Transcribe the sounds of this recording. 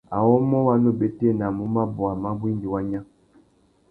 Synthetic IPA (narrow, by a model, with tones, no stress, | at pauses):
a˨wɔ˦mɔ˦wa˦no˦˨be˨te˦˨na˨mu˦ma˦bɔ˨a˨ma˦bwi˦nɡi˨wa˦ɲa˦